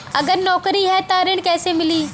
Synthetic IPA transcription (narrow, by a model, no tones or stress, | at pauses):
ɐɡəɾnɔːkɾiɦɛːt̪aɾɪɽ̃kɛːsemɪliː